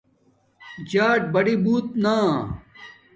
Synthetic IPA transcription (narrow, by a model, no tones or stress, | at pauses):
d͡ʑaːʈ̚bɐɽibuːt̪̚naː